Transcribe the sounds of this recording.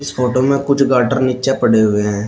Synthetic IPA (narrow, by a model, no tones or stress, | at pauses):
ɪspʰoːʈomẽkʊt͡ʃʰɡaːʈəɾnɪːt͡ʃapɐɽeɦʊeɦɛ̃ː